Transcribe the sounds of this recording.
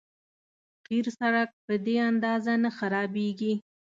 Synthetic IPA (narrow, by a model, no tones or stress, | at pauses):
qiɾsaɽak̚pəd̪eand̪ɑzanaxaɾɑbeɡi